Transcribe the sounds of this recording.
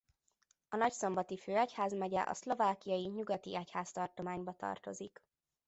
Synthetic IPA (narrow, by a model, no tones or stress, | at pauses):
ɒnɒcso̞mbɒt̪iføːɒchaːzmɛɟɛ̰ʔɒ̰slo̞vaːkijɒjiɲuɡɒt̪ḭɛchaːst̪ɒrt̪o̞maːɲbɒt̪ɒ̰rt̪o̞zik